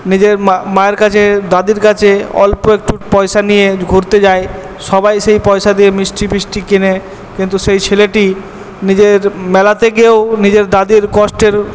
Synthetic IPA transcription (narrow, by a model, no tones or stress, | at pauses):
nid͡ʑeɾmaeɾkat͡ɕʰed̪ad̪iɾkat͡ɕʰeɔ̰lpoek̚ʈupɔjʃanijeɡʱoɾt̪ed͡ʑae | ʃɔbajʃejpɔjʃad̪iemisʈibisʈikine | kint̪uʃejt͡ɕʰeleʈi | nid͡ʑeɾmɛlat̪eɡeonid͡ʑeɾd̪ad̪iɾkɔsʈeɾ